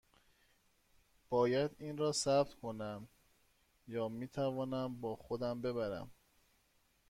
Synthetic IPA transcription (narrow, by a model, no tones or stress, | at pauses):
b̥ɒːjæd̪iːnɾɒːsæb̚t̪kʰo̞næm | jɒːmiːt̪ʰævɒːnæmbɒːxod̪æmbe̞βæɾæ̰m